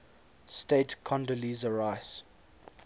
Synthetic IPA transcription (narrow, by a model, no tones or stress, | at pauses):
steɪtkʰɔ̃ndəlizəɹaɪs